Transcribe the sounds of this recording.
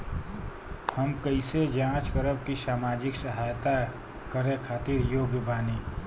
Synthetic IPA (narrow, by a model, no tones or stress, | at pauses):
həmkəɪsed͡ʒãːt͡ʃkəɾəbkisaːmaːd͡ʒɪksəɦaːjt̪a | kəɾẽkʰaːt̪ɪɾjoːɡjəbʱaːniː